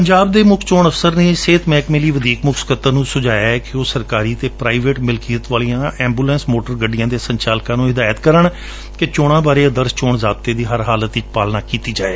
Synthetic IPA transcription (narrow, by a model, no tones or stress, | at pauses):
pəɲd͡ʒaːb̚d̪eːmʊkʰt͡ʃoːɳəfsəɾneːseːt̪ʰmɛːkmeːliːʋəd̪iːkmʊkʰskət̪ːənũːsʊd͡ʒaːjaːɛkɪoːsəɾkaːɾiːt̪eːpɾaːiʋeːʈmɪlkiːət̪ʋaːlijãːʔɛ̃ːmbuːlɛ̃ːnsmoːʈəɾɡəɖɪjãːd̪eːsəɲt͡ʃaːlkãːnũːɦɪd̪aːjət̪kəɾəɳ | kɪt͡ʃoːɽ̃ãːbaːɾeːəd̪əɾst͡ʃoːɳzaːb̚t̪eːd̪iːɦəɾɦaːlət̪ɪt͡ʃpaːlnaːkiːt̪iːd͡ʒaːeː